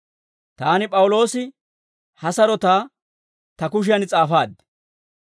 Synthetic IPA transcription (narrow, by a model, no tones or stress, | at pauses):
t̪aːnɪpʼɐwʊlo̞ːsɪ | hɐsɐɾɔt̪aː | t̪ɐkʊʃ̬ɪjɐnt͡sʼaːfaːd̪ɛ